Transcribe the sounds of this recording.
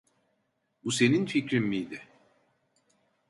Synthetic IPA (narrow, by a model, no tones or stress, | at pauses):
buse̞ninficɾinmijd̪ɪ